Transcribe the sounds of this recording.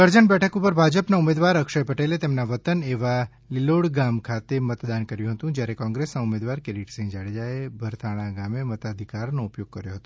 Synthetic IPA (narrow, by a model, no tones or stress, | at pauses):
əɾd͡ʒəɳbɛʈʰəkupəɾbʱad͡ʒəpnaumed̪ʋaɾəkʃəjpəʈelet̪emnaʋət̪əneʋa | liloɽɡamkʰat̪emət̪d̪ankəɾjũɦət̪ũd͡ʒjaɾekɔ̃ŋɡɾesnaumed̪ʋaɾkeɾiʈsĩd͡ʒaɭed͡ʒaebʱəɾt̪ʰaɽ̃aɡamemət̪ad̪ʱikaɾnoupjoɡ̚kəɾjoɦət̪o